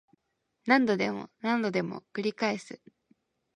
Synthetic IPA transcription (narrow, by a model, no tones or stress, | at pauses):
nãnd̪o̞d̪e̞mo̰nãnd̪o̞d̪e̞mo̞̰kɯ̟ɾʲikaesɨ